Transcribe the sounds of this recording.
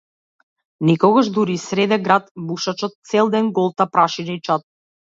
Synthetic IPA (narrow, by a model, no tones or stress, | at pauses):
nɛkɔɡaʒd̪uɾisɾɛd̪ɛɡɾat̪buʃat͡ʃɔt̪̚t̪sɛlˠd̪ɛnɡɔlˠt̪apɾaʃinait͡ʃat̪̚